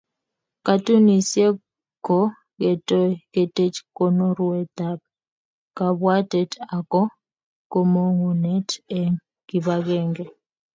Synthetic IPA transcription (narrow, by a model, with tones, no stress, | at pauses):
ka˦tu˦ni˨sje˦ | ko˦ | ɡe˨tɔ˦ke˨te˦t͡ʃko˦no˦ɾwe˦t̪a˦p̚ | ka˨bwa˦tɛ˨ta˨kɔ˦ | ko˦mo˦ŋu˨nɛ˦tɛ˨ŋ | ki˨ba˦ɡɛ˦ŋɡɛ˨